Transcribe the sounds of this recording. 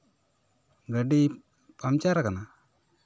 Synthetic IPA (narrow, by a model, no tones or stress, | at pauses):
ɡəɖi | pamt͡ʃaɾakana